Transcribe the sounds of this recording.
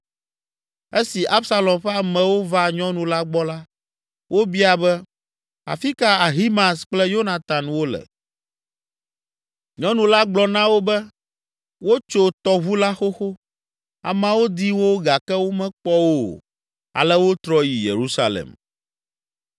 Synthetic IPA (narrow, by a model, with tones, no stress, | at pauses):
e˦si˨ʔa˦bsa˦lɔ˨ɸɛ˦a˨mɛ̃˨wo˦va˦ɲɔ̃˦nũ˨la˦ɡ͡bɔ˦la˦ | wʔo˦bi˦a˨bɛ˦ | a̰˨fi˦ka˦a˨ɦi˦mã˨sk͡plɛ˦jo˦na˨t̪a˨nwo˦lɛ̰˨ | ɲɔ̃˦nũ˨la˦ɡ͡blɔ˨nã˦wo˦bɛ˦ | wo˦t͡ʃo˦t̪ɔ˦βu˦la˦xo˦xo˦ | a̰˨mã˦wo˦d̪i˦wo˦ɡa˨kɛ˦wo˦mɛ̃˦k͡pɔ˦wo˦˨ | a̰˨lɛ˦wo˦t̪ɾɔ˦ji˨jḛ˨ɾu˦sa̰˦lɛ̰˨m